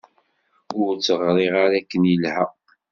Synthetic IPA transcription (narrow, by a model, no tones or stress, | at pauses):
ʊɾt͡sːəʁɾˤiʁaɾækːənjəlhæ